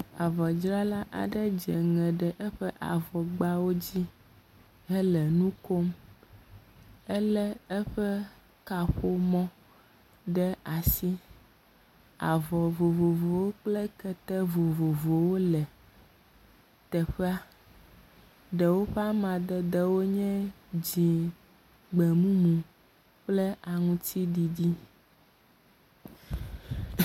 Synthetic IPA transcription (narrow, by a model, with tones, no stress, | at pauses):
a˨vɔ˨d͡ʒɾa˦la˦ʔa̰˨ɖə˦d͡ʒɛ˨ŋɛ̃˨ɖɛ˦ʔɛ˦ɸə˦ʔa̰˨vɔ˨ɡ͡ba˦wo˦d͡ʑi˦ | ɦɛ˦lə˨nũ˦ko˦m | ɛ˦lɛ˦ɛ˦ɸɛ˦ | ka˨ɸo˦mɔ̃˦ | ɖə˦a˨si˦ | a̰˨vɔ˨vo˨vo˨vo˨wo˦k͡plɛ˦kɛ˨t̪ɛ˦vo˨vo˨vo˨wo˦lɛ˨ | t̪ɛ˨ɸɛ˦a˦ | ɖɛ˨wo˦ɸɛ˦a˦mã˨ɖɛ˨d̪ɛ˨wo˦ɲɛ̃˦ | d͡ʑĩ˨ | ɡ͡bɛ˨mũ˦mũ˨ | k͡plɛ˦ʔa˨ŋũ˦t̪ʰi˦ɖi˨di˦